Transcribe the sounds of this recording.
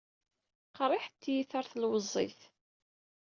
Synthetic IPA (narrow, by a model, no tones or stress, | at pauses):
qɾˤɪħt̪ːjiθaɾˤθlwəzˤːḭθ